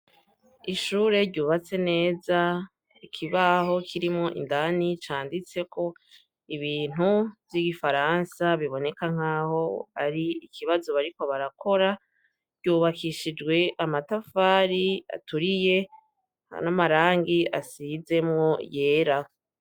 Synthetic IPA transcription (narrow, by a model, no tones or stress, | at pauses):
iʃuːɾe̞ɾɟuːβat͡se̞ne̞ːza | ikʰiβaho̞kʰiɾimŋo̞ʔḭndanit͡ʃaːndit͡se̞kʰo̞ | iβiːn̥uvjiɡifaɾansaβiβo̞ne̞kaŋ̥aːho̞a̰ɾiikʰiβazo̞βaɾiko̞βaɾakʰo̞ɾa | ɾɟuːβakiʃid͡ʒɡwe̞ʔamatafaːɾia̰tuɾije̞̰ | namaɾaːŋɡiasize̞mŋo̞je̞ːɾa